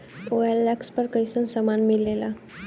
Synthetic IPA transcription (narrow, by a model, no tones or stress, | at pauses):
oɛlːɛkspəɾkəisə̃nsəmanmilːela